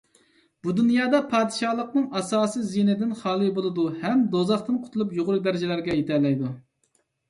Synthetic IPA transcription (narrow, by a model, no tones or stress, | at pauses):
b̥ud̪unjɑːd̪ɑpʰɑːd̪ɨʃɑlˠəqnɨŋɑsɑːsizinɪd̪ɪnχɑːlˠɨbolˠɨd̪uhɛmd̪ozɑχt̪ɨnqʰʊ̥t̪ʰulˠupjoʁʊɾɨd̪æɾɪd͡ʒɪlæɾɡʲɛjet̪ʰɛlɛjd̪u